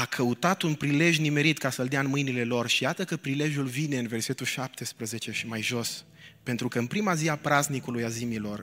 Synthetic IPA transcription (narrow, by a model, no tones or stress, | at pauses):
akʰəut̪at̪unpɾile̞ʒjnime̞ɾit̪kasəld̪eaɨnmɨjnile̞lo̞rʃijat̪əkəpɾile̞ʒjulvine̞ɨnve̞rse̞t̪uʃap̚t̪e̞spɾəze̞t͡ʃe̞ʃimajʒo̞s | pe̞nt̪ɾukəɨnpɾimaziapɾaznikulujazimilo̞r